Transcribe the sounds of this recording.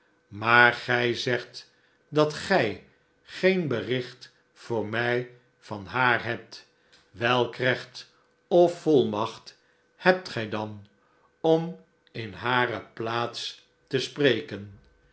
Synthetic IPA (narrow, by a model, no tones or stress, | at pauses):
maːɹχɛjzɛχt | dɑtχɛj | χejnbərɪχt | fʊːɹmɛj | vɑnɦaːɹɦɛp̚t | ʋɛlˠkrɛχt | ɔfɔlˠmɑχt | hɛp̚tχɛjdɑn | ɔm | ɪnɦaːɾəplaːts | təsprejkən